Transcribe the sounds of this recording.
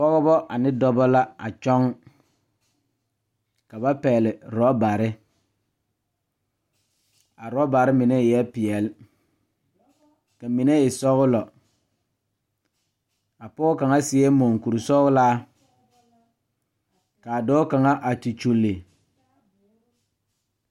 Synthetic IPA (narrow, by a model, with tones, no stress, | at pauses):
pɔ˦ɣɔ˦bɔ˦ʔa˨nɪ˦dɔ˦bɔ˦la˦a̰˨t͡ʃɔ˦ŋ | ka˨ba˦pɛː˨lɪ˨ɾɔ˦ba˨ɾɪ˦ | a˨ɾɔ˦ba˨ɾɪ˦mɪ˨nɛ˦˨ɛ˦pɪ˨ɛ˨l | ka˨mi˨nɛ˦ɪ˨sɔ˦ɣʊ˦lɔ˨ | a˨pɔ˦ka˨ŋa˦sɪ˦ɛ˦mo˨ŋku˨ɾu˨sɔ˦ɣʊ˦laː˦ | ka˨dɔː˦ka˨ŋa˦ʔa˨ti˨t͡ʃu˨lːe˨